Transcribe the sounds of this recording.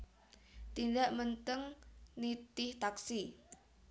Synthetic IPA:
t̪indaʔmənt̪əŋnit̪ɪht̪aksi

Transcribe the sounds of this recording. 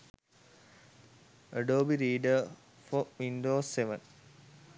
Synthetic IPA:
əɖoːbiɾiːɖə | foʋinɖoːsːeʋə̃n

